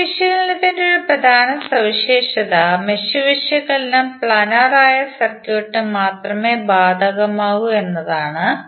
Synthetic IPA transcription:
iʂjɐɣɐɭinet̪ɐndeoɾuprɐd̪ʱaːnɐsɐʋiɕeːʂɐðɐmeɕuʋiʂjɐɣɐlnɐmpɭaːnaːraːjɐsɐrkjoːʈːɨmaːt̪rɐme̞ːbaːd̪ʱɐɣɐmaːɣue̞nːɐðaːɳɨ

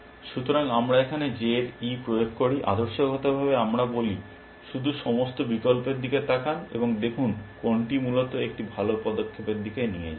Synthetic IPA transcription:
ʃut̪oɾaŋamɾaekʰaned͡ʑeɾipɾojoɡʱkoɾiʔa̰d̪oɾʃoɡʱɔt̪obʱabeamɾaboli | ʃud̪ʱuʃɔmost̪obikolpeɾd̪ʱiket̪akanḛboŋd̪ekʰunkoɳʈimulot̪oek̚ʈibʱalopɔd̪okʰːepeɾd̪ʱikenijḛd͡ʑa

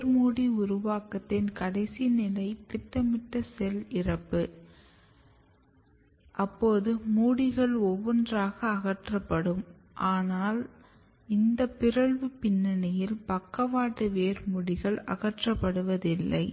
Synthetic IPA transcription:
ɾmuːɽiʊɾʊʋaːkɐt̪ːɪnkɐɽɐɪsinɪlɐɪt̪ɪʈːɐmɪʈːɐsɛlɪrɐpːɯ | ʔɐpːoːðɯmuːɽɪɣɐɭɔʋːɔndraːɣɐːɣɐʈrɐpːɐɽɯm | ʔaːnaːl | ɪnd̪ɐpːɪɾɐɭʋɯpɪnːɐnɪjɪlpɐkːɐʋaːʈːɯʋeːɾmuɽɪɣɐɭɐ̰ɣɐʈrɐpːɐɽɯʋɐðɪlːɐ̰ɪ

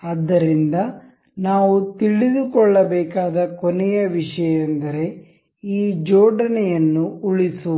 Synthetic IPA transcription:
ɐd̪ːɐɾind̪ɐ | naːʋut̪iɭid̪ukɔɭːɐbɛːkaːd̪ɐkɔnɛjɐʋiʂɐjɐɐnd̪ɐɾe̞ | iːd͡ʒɔːɖɐnɛjɐnːuuɭisu

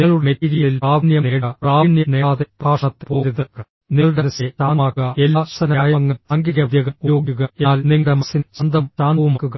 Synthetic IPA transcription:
niɐɭuɽmetiɾijɐɭilaːʋnjɐneːɽraːnjɐneːðepaːʂɳɐt̪ːpoːɾiðɐkːɐ | niɐɭɽeɾɐset̪aːaːɐelːaːsɐnɐaːjɐŋːɐɐŋɡiɣɐʋjɐɣɐmujo̞ːɡuɣɐeaːlniŋːɐɽemɐsinsɐnd̪ɐmt̪aːnɐʋumkːuɣɐ

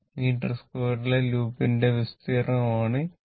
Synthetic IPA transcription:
miːʈːɐrskoːɾileluːpinɖeʋist̪iːrɐmaːɳɨ

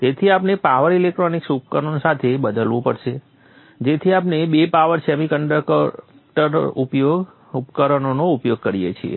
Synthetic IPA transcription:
t̪et̪ʰiapnepaʋəɾilek̚ʈɾoniksup̚kənonsat̪ʰebəd̪əlʋũpəɽʃe | d͡ʒet̪ʰiapnebepaʋəɾsɛmikəɳɖəkkʈəɾupjoɡ | upkəɾənonoupjoɡ̚kəɾijḛt͡ʃʰiḛ

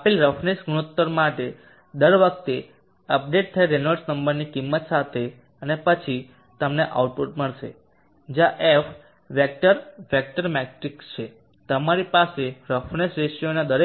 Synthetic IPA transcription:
əpelɾəfnesɡuɽ̃ut̪ːəɾmaʈe | d̪əɾʋək̚ʰt̪e | əp̚ɖeʈ̚t̪ʰəeɾenəɾsnəmbəɾnikimːət̪sat̪ʰe | ənepət͡ʃʰi | t̪əmneʔa̰uʈ̚puʈməɭʃḛ | d͡ʒjaʔef | ʋek̚ʈəɾʋek̚ʈəɾmɛkʈɾikst͡ʃʰe | t̪əmaɾipaseɾəfnesɾeʃjonad̪əɾe

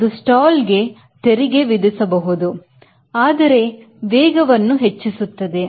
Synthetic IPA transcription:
d̪usʈaːlɡe̞ | t̪eɾiɡe̞ʋid̪isɐbɐɦud̪u | aːd̪ɐɾe̞ | ʋeːɡɐʋɐnːuɦet͡ʃːisut̪ːɐd̪e̞

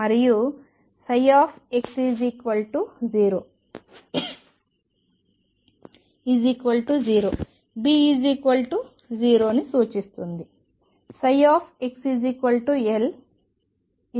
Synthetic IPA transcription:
mɐɾiju | sɐjaːpʰeksid͡ʒikʋɐlʈud͡ʒiːɾoː | id͡ʒikʋɐlʈud͡ʒiːɾoː | biːid͡ʒikʋɐlʈu | d͡ʒiːɾo̞ːnisuːt͡ʃist̪und̪i | sɐjaːpʰeksizikʋɐlʈuel

